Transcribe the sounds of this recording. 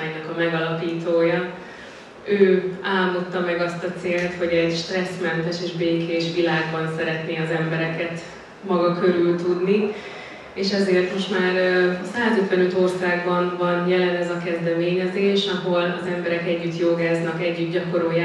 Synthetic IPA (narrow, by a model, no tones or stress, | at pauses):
jnɒkɒmɛɡɒlɒpiːt̪oːjɒ | øːaːlmd̪ot̪ːɒmɛɡɒst̪ɒt̪seːlt̪ho̞ɟɛɟʃt̪rɛsmɛnt̪ɛʃeːʒbeːkʰeːʃʋilaːɡbɒnsɛɾɛt̪neːɒzɛmbɛɾɛkɛt̪ | mɒɡɒkø̞ɾylt̪ud̪ni | eːʃɛzeːrt̪mo̞ʃt̪maːrsaːzøt̪ʋɛnøt̪o̞rsaːɡbɒnvɒnjɛlɛnɛzɒkɛzd̪ɛmeːɲɛzeːʃɒɦo̞lɒzɛmbɛɾɛkɛɟːyt̪joːɡaːznɒkɛɟːyt̪ɟɒko̞ɾoːjaː